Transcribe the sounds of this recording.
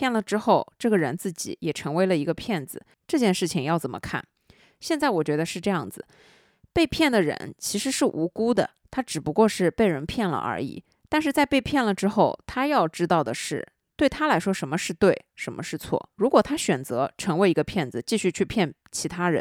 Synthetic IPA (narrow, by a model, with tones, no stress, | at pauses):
jɛ˥˩nlə˩ʈ͡ʂɻ̩˥xo˥˧ʊʈ͡ʂɤ˥˩ɡə˩ɻə˧˥nt͡sɹ̩˥˩t͡ɕḭ˨˩jɛ˨˩ʈ͡ʂʰɤ˧˥ŋwe˧˥ɪlə˨i˧˥ɡə˧pʰjɛ˥˩nd͡zɹ̩˩ | ʈ͡ʂɤ˥˧t͡ɕjɛ˥˧nʂɻ̩˥˩t͡ɕʰi˩ŋjɑ˥˩ʊt͡sə˨˩mə̰˩˦kʰa̰˥˩n | ɕjɛ˥˧nt͡sa˥˩ɪwɔ˨˩t͡ɕɥɛ˧˥d̪ə˧ʂɻ̩˥˧ʈ͡ʂɤ˥˧jɑ̰˥˩ŋd͡zɹ̩˩ | pe˥˧ɪpʰjɛ˥˩nd̪ə˩ɻə̰˧˥nt͡ɕʰi˧˥ʂɻ̩˧˥ʂɻ̩˥˩ʔu˧˥ku˥d̪ə̰˨ | t̪ʰa˥ʈ͡ʂɻ̩˨˩pu˧˥kwɔ˥˧ʂɻ̩˥˧pe˥˩ɪɻə˧˥npʰjɛ˥˩nlə̰˩ʔə̰˞˧˥ḭ˨˩˦ | t̪a˥˧nʂ̬ɻ̩˥˧t͡sa˥˧ɪpe˥˧ɪpʰjɛ˥˩nlə˩ʈ͡ʂɻ̩˥xo˥˩ʊt̪ʰa˥jɑ˥˩ʊʈ͡ʂɻ̩˥t̪ɑ˥˩ʊd̪ə˩ʂɻ̩˥˩ | t̪we˥˩ɪt̪ʰa˥la˧˥ɪʂwɔ˥ʂə˧˥nmə˧ʂɻ̩˥˧t̪we˥˩ɪʂə˧˥nmə̰˧ʂɻ̩˥˧t͡sʰwɔ̰˥˩ɻu˧˥kwɔ˨˩t̪ʰa˥ɕɥɛ˨˩nt͡sɤ˧˥ʈ͡ʂʰɤ˧˥ŋwe˧˥ɪi˧˥ɡə˧pʰjɛ˥˩nd͡zɹ̩˨˩t͡ɕi˥˧ɕy˥˧t͡ɕʰy˥˧pʰjɛ˥˩n | t͡ɕʰi˧˥t̪ʰa˥ɻə̰˧˦n